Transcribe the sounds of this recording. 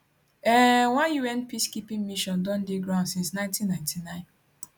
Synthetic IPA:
ɛwãnjuɛ̃npiskipĩŋmiʃɔ̃ndɔ̃ndeɡɹãʊ̃nsĩnsnãɪ̃ntĩnːãɪ̃ntʰinãɪ̃n

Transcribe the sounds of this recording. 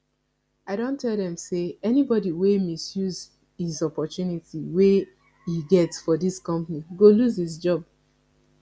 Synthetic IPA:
aɪɾõntʰɛlˠdɛ̃mseɛnibɔdiwemisjuz | hizɔpɔtjunitiwe | iɡɛtsfɔdiskɔ̃mpniɡoluzhizd͡ʒɔb̚

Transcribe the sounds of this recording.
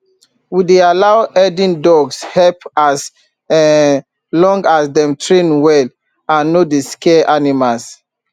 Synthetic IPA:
widealaʊɛdĩndɔɡshɛpas | lɔ̃ŋɡasdɛ̃mtʰɹẽnwɛl | ãnːodeskɛʔanimals

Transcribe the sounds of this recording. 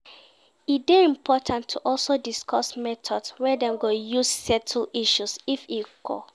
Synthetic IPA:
it̚dɛɹĩmpʰɔtʰãntʰːuʔɔlsodiskʰɔsmɛtʰɔdswɛdɛ̃mɡojussɛtʰl̩iʃusifikʰɔ̰

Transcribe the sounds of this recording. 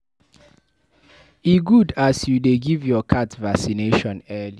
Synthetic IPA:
iɡudasjudeɡivjɔkʰatvasineʃɔ̃nɛli

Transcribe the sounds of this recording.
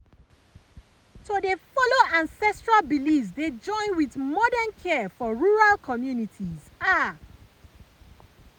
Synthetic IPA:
todefɔloãnsɛstɹalbilifs̬ded͡ʒɔ̃ɪ̃nwiθmɔdə̃nkʰɛfɔɹuɹalkʰɔmjunitʰiz | a

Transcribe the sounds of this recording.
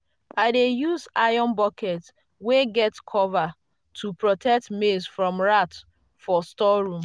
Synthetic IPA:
aɪdejuzajɔ̃nbɔkɛt | weɡɛtkʰɔva | tʰupɹɔtʰɛk̚tmesfɹɔ̃mɹat | fɔstɔɹũm

